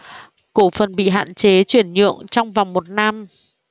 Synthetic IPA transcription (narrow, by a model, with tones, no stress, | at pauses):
ko˧˩fə˨˩nɓḭ˧˨ɦa̰ː˧˨nt͡ɕe˨˦t͡ɕwi˧˩ənɲɨ̰˧˨əŋt͡ɕɔ˧wŋ͡mva˨˩wŋ͡mmo˨˩t̚na˧m